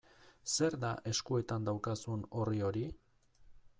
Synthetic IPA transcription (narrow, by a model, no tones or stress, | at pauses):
se̞ɾd̪aʔe̞skue̞t̪and̪awkasuno̞rio̞ɾi